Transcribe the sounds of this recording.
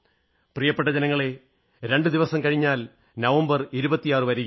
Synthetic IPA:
prijɐpːeʈːɐd͡ʑɐnɐŋːɐɭe̞ | ɾe̞ɳɖɨd̪iʋɐsɐmkɐɻiɲːaːl | nɐʋɐmbɐriɾubɐt̪ːijaːrɨʋɐɾij

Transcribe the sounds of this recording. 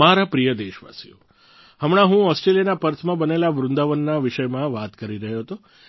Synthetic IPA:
aɾapɾijəd̪eʃʋa̰sijo̰ | ɦəmɽ̃aɦũɔsʈɾelijənapəɾt̪ʰmãbənelaʋɾʊnd̪aʋənːaʋɪʃəjmãʋat̪kəɾiɾəɦjoɦt̪o

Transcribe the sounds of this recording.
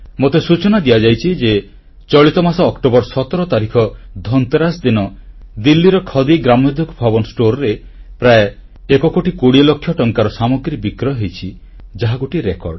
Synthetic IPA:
mot̪esut͡ʃɔnad̪ijad͡ʒajt͡ʃʰid͡ʒe | t͡ʃɔɭit̪ɔmasɔːkʈobɔɾsɔt̪ɔɾɔt̪aɾikʰɔd̪ʱɔnt̪eɾasd̪inɔd̪ilːiɾɔkʰɔd̪iɡɾamjod̪ʱukbʱabɔnɔsʈoɾɔɾe | pɾae | ekɔkoʈikuɽilokʰːjɔʈɔŋkaɾɔsamoɡɾibikɾɔɦejt͡ʃʰi | d͡ʒaɦaɡuʈiɾekɔ̰ɾɖ

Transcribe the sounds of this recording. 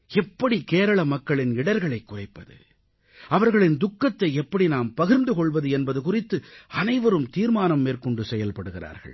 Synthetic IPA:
ɛpːɐɽikeːɾɐɭɐmɐkːɐɭɪnɪɽɐɾɣɐɭɐɪkːʊrɐɪpːɐðɯ̰ | ɐʋɐɾɣɐɭɪnd̪ʊkːɐt̪ːɐɪɛpːɐɽinaːmpɐɣɪɾnd̪ɯkɔɭʋɐðɯɛnbɐðɯkʊrɪt̪ːɯɐnɐɪʋɐɾɯmt̪iːɾmaːnɐmːeːɾkɔɳɖɯsɛjːɐlpɐɽɯɣɪra̰ːɾɣɐ̰ɭ

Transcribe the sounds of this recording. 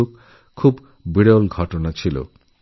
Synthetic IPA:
okʰː | ub | biɽeolɡʱɔʈonat͡ɕʰilo̰

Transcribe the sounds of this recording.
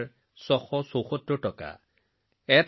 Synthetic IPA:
sɔxɔsowxɔtɹɔtɔka̰ | ɛt

